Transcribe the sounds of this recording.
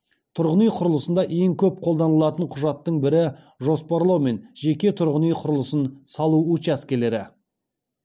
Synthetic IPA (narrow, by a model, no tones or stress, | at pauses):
t̪ʰʊɾʁənijqʰʊɾəlˠəsənd̪ɑʔe̞ŋkʲʰɵp̚qʰo̞lˠd̪ɑnəlˠɑt̪əɴqʰʊʒɑt̪ːəɴbɪɾɪ | ʒo̞spɑɾlˠɑwme̞nʒe̞kʲe̞t̪ʰʊɾʁənijqʰʊɾəlˠəsənsɑlˠuut͡ʃæskʲele̞ɾɪ